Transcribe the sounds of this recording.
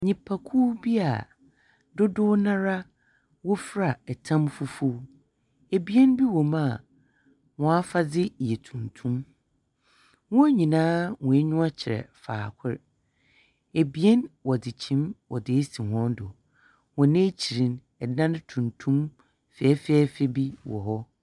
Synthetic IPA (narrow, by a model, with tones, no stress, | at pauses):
ɲĩ˨pʰa˨kʰu˦bi˦a˨ | dʊ˦dʊ˦nã˦ɾa˦ | wɔ˦fɾa˨ɛ˨tʰã˦mfʊ˦fʊ˦ | e˨bi˨˦ɛ˦nbi˦wɔ˨mã˦˨ | wɔ̃˨a˦fa˦d͡zɪ˦˨jɛ˨tʰũ˨ntʰũ˦m | wɔ̃˦ɲĩ˨nãː˦wɔ̃˨e˦ɲũ˦a˦t͡ɕʰɪ˨ɾɛ̰˨fa̰ː˨kʷʰʊ˦ɾ | e˨bi˨ɛ˦nwɔ˨dɪ˨t͡ɕʰĩ˦mwɔ˨dɪ˨e˦si˨hɔ̃˦n˦dʊ˨ | wɔ̃˨nẽ˦t͡ɕʰi˨ɾĩ˨˦n | ɛ˨dã˦nɪ̃˦tʰũ˨ntʰũ˦m | fɛ˨ɛ˦fɛ˦fɛ˦bi˦wɔ̰˨ɦɔ˦